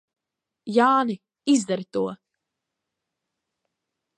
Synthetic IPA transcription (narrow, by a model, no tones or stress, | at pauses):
jaːni | izd̪aɾit̪uɔ